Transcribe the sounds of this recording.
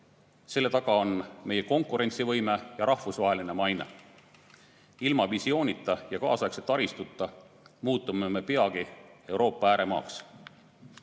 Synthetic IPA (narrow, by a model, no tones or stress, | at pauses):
se̞lːe̞t̪ɑɡ̥ɑo̞nme̞je̞ko̞ŋkuɾe̞nʲt̪sivɤjme̞jɑɾɑhvusvɑɦe̞line̞mɑjne̞̰ | ilmɑvisio̞ːnʲit̪ːˑɑjɑkɑ̰ːsɑekset̪ːˑɑɾist̪ut̪ːˑɑ | muːt̪ːˑumeme̞pe̞ɑɡie̞wɾo̞ːpːˑɑæːɾe̞mɑ̰ːks